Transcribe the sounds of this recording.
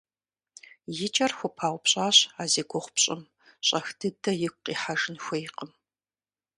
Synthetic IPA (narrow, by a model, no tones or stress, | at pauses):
jɪt͡ʃʼɐrxʷʊpʰaːwʷpɕʼaːɕaːzeːɡʷɔχʷʊpɕʼɪm | ɕʼɐxtʰɨdɐjɪkʷqiːħaʒɨnxʷɔjɪqəm